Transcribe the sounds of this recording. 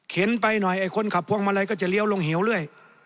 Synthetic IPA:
kʰe˨˦npa˧jnɔ˨˩jʔaː˨˩jkʰo˧˥˨nkʰa˨˩p̚ʰːu˧əŋmaː˧laː˧˩jk̬ɔː˥˩t͡ɕa˨˩li˧˥ə˨wlo˧ŋɦe˩˦wlɯ˥˩əj

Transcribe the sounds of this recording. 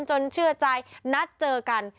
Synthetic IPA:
nt͡ɕo˧nt͡ɕʰɯ˥˩ɐt͡ɕa˧jna˦˥t̪̚t͡ɕɤː˧ka˧n

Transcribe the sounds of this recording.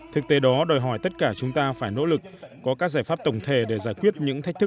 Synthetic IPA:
t̪ʰɨ˨˩k̚t̪e˨˦ɗɔ˨˦ɗoː˨˩jɦɔ˧˩jt̪ə˦˥t̚kaː˧˩t͡ɕʊ˨˦ŋ͡mt̪aː˧faː˧˩jno̰˧˥lɨ˨˩k̚kɔ˨˦kaː˦˥k̚zaː˧˩jfaː˦˥p̚t̪ə˧˩wŋ͡mt̪ʰe˧˩ɗe˧˩zaː˧˩jkwi˦˥ət̚ɲɨ̰˧˥ŋt̪a˦˥k̟̚t̪̚ʰ

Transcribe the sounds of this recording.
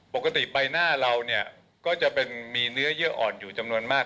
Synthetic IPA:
po˨˩kːa˧t̪i˨˩ba˧jnaː˥˩ɾa˧wni˥˩ɐ | kɔː˥˩t͡ɕa˨˩ʔpe˧nmiː˧nɯ˦˥ɐjɯ˦˥ɐʔɔ̰ː˨˩njuː˨˩t͡ɕa˧mnu˧ənmaː˥˩

